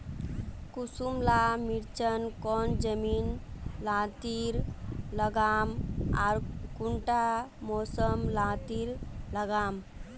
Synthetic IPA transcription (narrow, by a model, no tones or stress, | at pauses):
kusumlamiɾt͡ʃənkɔnd͡ʒəminlãt̪iɾləɡama̰ɾkuɳʈamɔsəmlãt̪iɾləɡam